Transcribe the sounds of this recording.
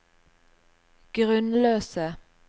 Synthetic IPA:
ɡ̥ʁʉnløːsə

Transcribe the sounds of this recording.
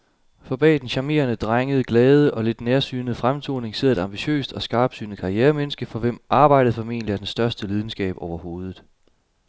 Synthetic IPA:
fɒ̽b̥ɛ̰ːd̥enɕɑ̈me̝̰ːɐnəd̥ʁaŋəð̞̩ˠəɡ̥lɛːð̞ˠəʔɒ̽le̝d̥neɐsy̰ːnð̩ˠfʁamt͡sʰo̝̰ːne̝ŋseðɐ̰e̝d̥ɑ̈mb̥iɕø̰ːsd̥ɒ̽sɡ̥ɑ̈ːb̥sy̰ːnð̩ˠkʰɑ̈ieːɐmenəsɡ̥əfɒ̽ʋem̰ʔɑ̈ːb̥ɑ̈ɪ̰ɾ̥əð̩ˠfɒ̽me̝̰ːnliæɐ̥ensd̥ɶɐsd̥əlið̞ˠn̩sɡ̥ɛ̰ːb̥ɒʊɐho̝ːð̞ˠð̩ˠ

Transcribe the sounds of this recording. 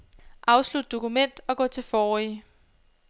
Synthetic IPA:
ʔɑ̈ʊslud̥̚d̥o̝kumen̰d̥ɒ̽ɡ̥ɔ̰̽ːt͡sʰe̝fɒːi

